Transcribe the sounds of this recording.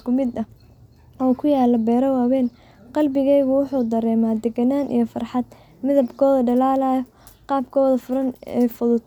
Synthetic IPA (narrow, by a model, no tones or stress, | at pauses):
kʰʊmɪd̪ɐ | ɔːkʰʊjaːlːɐbɛːɾɐwaːwɛːn | qɑlbɪɣɛjɣʊwʊħuːd̪ɐɾɛːmaːd̪ɛɡɐnaːnʔḭjɞfɐrħɑd̪ | mɪðɐbkʰɔːðɐɖɐlaːlajɔ | qɑːbkʰɔːðɐfʊɾɐnɛ̰ːfʊðʊd̪